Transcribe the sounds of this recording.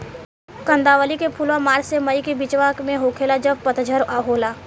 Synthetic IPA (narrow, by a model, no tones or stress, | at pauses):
kə̃nd̪aːʋəlikepʰulwãmaːɾsemɐikebit͡ʃʋaːkmẽɦoːkʰeːlad͡ʒɐbpət̪d͡ʒʱəɾaɦoːlaː